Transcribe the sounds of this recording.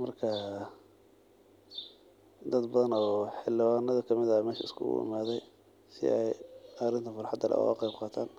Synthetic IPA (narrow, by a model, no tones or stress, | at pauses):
mɐrkʰɐ | d̪ɐd̪bɐðɐnɔːħɪlɪwaːnɐðɐkʰɐmɪðɐmɛːʃɐɪskʰʊ̰ʊ̰ɪ̰maːðɛj | sɪ̰ʔɛjɐɾɪnt̪ʰɐfʊrħɑd̪ɐlʔɐ̰w̰a̰qejb̚qɑːt̪ʰaːn